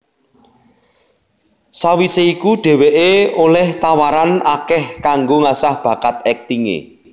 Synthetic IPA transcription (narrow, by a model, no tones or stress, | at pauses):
sawiseikuɖ̥e̤weʔeolɛht̪awaɾanakɛhkaŋɡoŋasahb̥ä̤kat̪ɛk̚t̪iŋḛ